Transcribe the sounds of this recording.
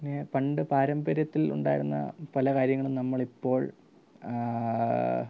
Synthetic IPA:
pinːepɐɳɖɨpaːɾɐmbɐɾjɐt̪ːilṵɳɖa̰ːjiɾunːɐ̰pɐlɐkaːɾjɐŋːɐɭumnɐmːɐɭipːo̞ːɭ

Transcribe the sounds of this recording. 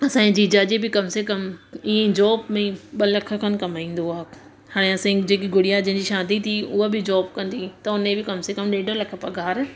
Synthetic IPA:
ɐsãːd͡ʑiːd͡ʑaːd͡ʑebɪkɐmsekɐmiẽd͡ʑɔːbmẽɓɐlɐkʰə̆kʰənɪ̆kɐmaːĩːn̆d̪oɦɐk | haːɽ̃eɐsãd͡ʑeːkiɡʊɽijad͡ʑɐ̃ɦɪ̃d͡ʑiːʃãːd̪it̪ʰiʊɦobɪd͡ʑɔːbkɐ̃nd̪it̪ɐʊnebɪkɐmsekɐmɗeːɖʱolɐkʰəpɐɡʱaːɾ

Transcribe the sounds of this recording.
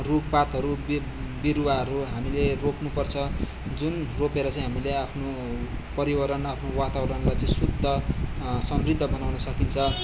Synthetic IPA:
ruk̚pat̪ɦʌɾub | biɾuwaɦʌɾuɦamileroknupʌrt͡sʰʌ | d͡zunropeɾʌt͡sãĩɦamileapʰno | pʌɾiwʌɾʌnapʰnowat̪awʌɾʌnlajt͡sʌĩsud̪ʱːʌsʌmrid̪ʱːʌbʌnawnʌsʌkint͡sʰʌ

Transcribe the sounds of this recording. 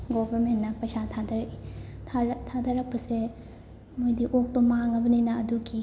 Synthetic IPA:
ɡobʱɐɾmentːɐpɐjsatʰadɐɾi | tʰadɐɾɐk̚pɐse | mojdiʔok̚tomaŋɐbɐninɐɐduɡi

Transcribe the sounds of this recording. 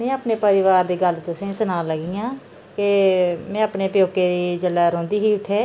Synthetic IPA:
mɛ̃ːaːpneːpəɾɪʋaːɾd̪iːɡəlt̪ʊsẽːsənãːləɡiːãː | kɪmɛ̃ːapneːpjoːkeːd̪iːd͡ʒəlːaːɾõːnd̪iːɦiːʊt̪ʰːeː

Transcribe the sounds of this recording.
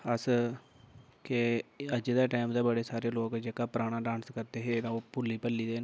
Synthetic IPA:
əs | kɪəd͡ʒd̪eːʈaːɪmd̪eːbəɽeːsaːɾeːloːkd͡ʒeːkaːpɾaːɽ̃aːɖãːnskəɾd̪eːɦeːt̪ãːoːpʊlːiːpəlːiːd̪eːn

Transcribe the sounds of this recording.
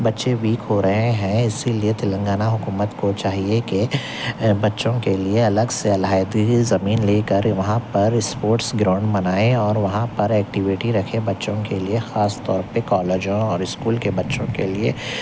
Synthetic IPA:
bɐtːʃeʋiːkɦoɾɐɦẽɦɛ̃ɪsiliet̪ɪlə̃ŋɡaːnaɦʊkuːmət̪kot͡ʃaːɦieke | bɐtːʃõkelieɐləɡseɐlɦaːɪd̪izɐmiːnleːkɐɾʋɐɦãpɐɾɪspoːɾʈsɡɾãːʊ̃ɳɖmɐnaːeɔːɾʋɐɦãpɐɾɛːkʈɪʋɪʈiɾɐkʰebɐtːʃõkeliexaːst̪ɔːɾpekɔːleːd͡ʒõɔːɾɪskuːlkebɐtːʃõkelie

